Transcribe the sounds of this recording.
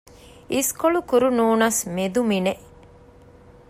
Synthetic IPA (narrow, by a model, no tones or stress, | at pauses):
iskoɭukuɾunuːnɐsmed̪umine